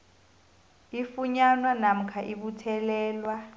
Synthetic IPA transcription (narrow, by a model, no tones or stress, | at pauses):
ifuɲanwanam̩kʰaʔiɓutʰɛlɛːlwa